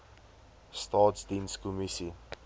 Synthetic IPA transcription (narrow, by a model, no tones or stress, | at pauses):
stɑːtsdinskomisi